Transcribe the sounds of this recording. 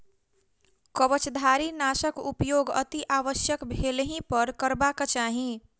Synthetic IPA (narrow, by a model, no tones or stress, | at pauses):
kəʋət͡ʃd̪ʱaɾinasəkupjoɡə̰t̪iʔaʋəsjəkbʱelɦĩpəɾkəɾbakat͡ʃaːɦĩ